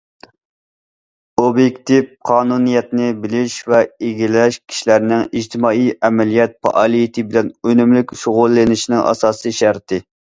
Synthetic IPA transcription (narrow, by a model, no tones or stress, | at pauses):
objekʲt̪ifqʰɑːnunijɛt̪nɪbɪlɪʃvɛeɡʲilɛʃkʲʰi̥ʃilæɾnɪŋiʒt̪ʰɪmɑːijʔɛmɛlijɛt̪̚pɑ̰ʔɑlˠijit̪ʰɨbɪlɛnønymlykʲʃoʁʊlˠːɪnɪʃinɪŋʔɑ̰sɑːsɨʃæɾt̪ʰɨ